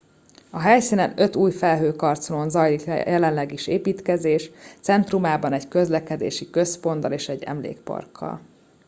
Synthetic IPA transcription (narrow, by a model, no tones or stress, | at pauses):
ɒɦɛjsinɛnø̞t̪uːjfɛlɦøːkɒrt̪solonzɒjlikjɛlɛnlɛɡiʃeːpiːt̪kɛzeːʃt̪sɛnt̪rumaːbɒnɛɟkø̞zlɛkɛd̪ḛːʃikø̞spo̞nd̪ɒleːʃɛɟːɛ̰mlḛːkpɒ̰rkʰːɒ̰l